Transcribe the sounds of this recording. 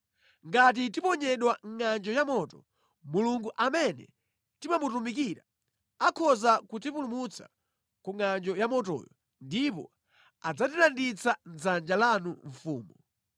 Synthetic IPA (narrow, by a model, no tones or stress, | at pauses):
ŋɡat̬itipɔɲɛɗwaŋŋand͡ʒɔjamɔtɔ | muluŋɡuʔamɛnɛ̰ | timamutumik̬iɾa | akʰɔzakutipulumut͡sa̰ | kuŋand͡ʒɔjamɔtɔ̰jɔ | ndipɔ̰ | ad͡zatilandit͡san̩zand͡ʒalanuɱ̩fuːmɔ